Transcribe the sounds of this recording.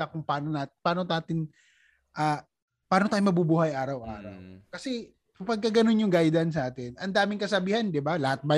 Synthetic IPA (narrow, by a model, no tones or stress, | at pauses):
ɐkʊŋpaːnonaːt̪paːnonaːt̪ɪn | ʔaː | paːnot̪aːjomɐbubuːhɐjʔaːɾɐwʔa̰ːɾɐ̰wkɐsɛ | kɐpɐɡ̚kɐɡɐno̞njʊŋɡajd̪ɐns̬naːt̪ɪnʔɐnd̪aːmɪŋkɐsɐbiːhɐnd̪ɪbalɐhat̪̚bɐ